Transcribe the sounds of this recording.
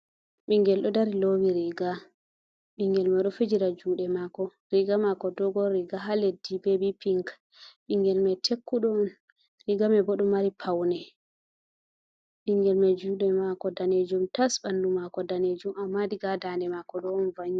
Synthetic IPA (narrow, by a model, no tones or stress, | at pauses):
ɓiŋɡɛlɗɔdaɾilowiɾiɡa | ɓiŋɡɛlmɛɗɔfid͡ʒiɾad͡ʒuːɗɛmakɔ | ɾiɡamakɔdɔɡɔɾiɡaɦaledːibɛbipiŋk | ɓiŋɡɛlmɛtʰekːuɗɔn | ɾiɡamɛbɔɗɔmːaɾipʰawnɛ | ɓiŋɡɛlmɛd͡ʒuɗɛmakɔdaned͡ʒumtasɓandumakɔdaned͡ʒumamːadiɡadandɛmakɔɗɔɔnvaɲi